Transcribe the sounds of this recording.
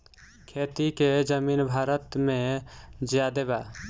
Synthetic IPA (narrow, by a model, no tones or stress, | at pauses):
kʰeːt̪iked͡ʒəmiːnbʱaːɾət̪mẽd͡ʒjad̪eba